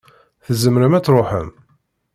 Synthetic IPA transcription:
θəzəmɾəmæt͡sːɾˤoħə̰m

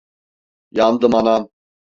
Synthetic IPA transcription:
jand̪ɯmanam

